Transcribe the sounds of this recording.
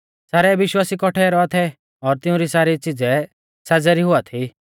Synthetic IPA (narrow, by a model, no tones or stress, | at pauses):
saːɾɛʋɪʃwaːsikɔʈʰɛɾɔat̪ʰɛ | ɔːɾt̪ɪʊ̃ɾisaːɾit͡sid͡zɛ | sad͡zɛɾiɦʊat̪ʰi